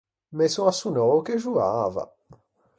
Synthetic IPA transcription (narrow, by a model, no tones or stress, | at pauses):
mesõasunɔokeʒua̰va̰